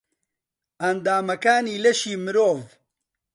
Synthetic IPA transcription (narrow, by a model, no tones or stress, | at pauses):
ɐnd̪aːmɐkaːniːlɐʃiːmɨɾoːv